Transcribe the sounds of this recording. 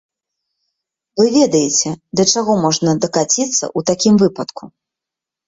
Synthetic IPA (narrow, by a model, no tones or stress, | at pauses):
vɨvʲɛd̪ɐjet͡sʲɛd̪ɐt͡ʂaɣɔmɔʐnɐd̪ɐkat͡sʲit̪sːɐ̰ʔut̪akʲimvɨpɐt̪ku